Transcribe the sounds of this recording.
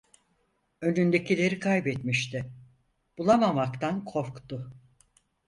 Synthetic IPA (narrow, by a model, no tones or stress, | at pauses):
ø̞nynd̪e̞cʰilʲe̞ɾikʰajbɛt̪miʃt̪ʰɪ | b̥ulˠamamakt̪ʰankʰo̞fkt̪ʊ